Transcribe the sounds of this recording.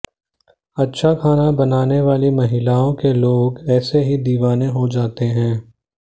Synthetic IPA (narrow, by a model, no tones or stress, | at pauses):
ɐtːʃʰakʰaːnabɐnaːneʋaːlimɐɦɪlaːõkeloːɡɛːseɦid̪iːʋaːnẽɦod͡ʒaːt̪eɦɛ̃ː